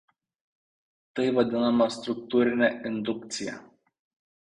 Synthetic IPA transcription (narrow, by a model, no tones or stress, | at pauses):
t̪əjvad̪ʲunamast̪ɾuk̚t̪uɾʲilʲeʔind̪ukt̪sija̰